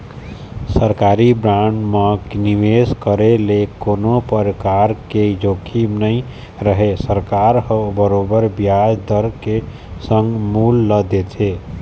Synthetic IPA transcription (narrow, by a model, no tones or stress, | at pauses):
səɾkaɾibɾãɳɖməkniʋeskəɾelekonopəɾkaɾked͡ʒokʰimnəi | ɾəɦesəɾkaɾɦəbəɾobəɾbjad͡ʒd̪əɾke | sə̃ŋɡmulːəd̪et͡ʃʰe